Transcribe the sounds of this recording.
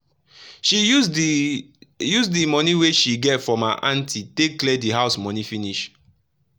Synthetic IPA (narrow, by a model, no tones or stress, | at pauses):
ʃi | jusdimɔniweʃiɡɛtfɹɔ̃ma̰ʔãntʰitekklɛdiɦaʊsmɔ̃nifiniʃ